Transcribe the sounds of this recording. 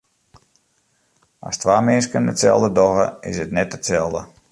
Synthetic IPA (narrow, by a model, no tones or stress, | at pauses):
a̰stʋaːmɪnskənətsɛ̰lˠdədɔɣəɪsətnɛt̚ətsɛlˠdə